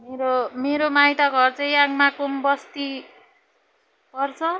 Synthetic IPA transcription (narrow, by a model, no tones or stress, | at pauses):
meɾomeɾomajt̪ʌɡʱʌrt͡sʌĩaɡmakumbʌst̪i | pʌrt͡sʰʌ